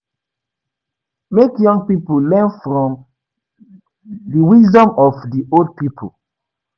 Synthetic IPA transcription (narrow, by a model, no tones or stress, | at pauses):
mekjɔ̃ŋɡpipolɛ̃nfɹɔ̃m | diwizdɔ̃mɔfdiold̚pipʰol